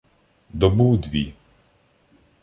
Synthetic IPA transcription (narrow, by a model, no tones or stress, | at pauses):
d̪ɔbuwd̪ʲʋʲḭ